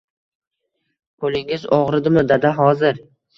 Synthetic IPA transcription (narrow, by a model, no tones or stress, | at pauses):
kʰolɪŋɪzɒʁɾɪd̪ɪmʊd̪ːad̪aɦɒzɪɾ